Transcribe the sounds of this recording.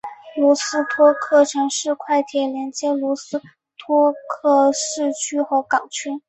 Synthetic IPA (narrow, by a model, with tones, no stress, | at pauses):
lu˧˥sɹ̩˥t̪ʰwɔ˥kʰɤ˥˩ʈ͡ʂʰɤ˧˥ŋʂɻ̩˥˧kʰwa˥˩ɪt̪ʰjɛ˨˩ljɛ˧˥nt͡ɕjɛ˥lu˧˥sɹ̩˥ | t̪ʰwɔ˥kʰɤ˥˩ʂɻ̩˥˩t͡ɕʰy˥xo˧˥ʊkɑ˨˩ŋt͡ɕʰy˥n